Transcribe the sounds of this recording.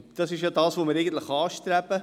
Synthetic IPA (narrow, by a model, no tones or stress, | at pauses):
d̥ɑsɪʃjɑdɑːsʋoməɾɛɪɡən̩t̪ləχɑːʃtɾæbə